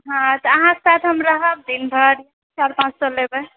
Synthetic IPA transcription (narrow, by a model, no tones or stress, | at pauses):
ɦãt̪əəɦãke̥sat̪ʰɦəmɾəɦəb̚d̪inbʱəɾ | t͡ʃaɾpãt͡ʃt͡ʃəlːebe